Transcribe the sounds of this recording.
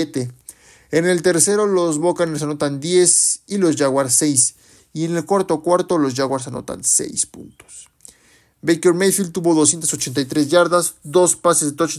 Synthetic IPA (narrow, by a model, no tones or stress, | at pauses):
et̪e | ene̞lt̪e̞ɾse̞ɾo̞lo̞zβokanes̬ano̞t̪and̪je̞silo̞zʝaɣwaɾse̞js | iene̞lkwaɾt̪o̞kwaɾt̪o̞lo̞zʝaɣwaɾs̬ano̞̰t̪a̰nsḛjspṵnt̪o̥s | bejkeɾmejfilt̪uβo̞ðos̬je̞nt̪aso̞t͡ʃe̞nt̪ajt̪ɾezʝaɾðazd̪o̞spasezðet̪ot͡ʃ